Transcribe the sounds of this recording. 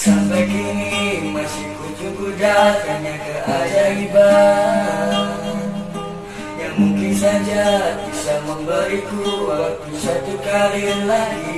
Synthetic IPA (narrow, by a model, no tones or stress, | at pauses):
sampajkinimasikud͡ʒuɡudaaɲakaʔadaiba | jaŋmuŋkɪnsad͡ʒabisaməmbəɾikuwakusat̪ukalinlaɡi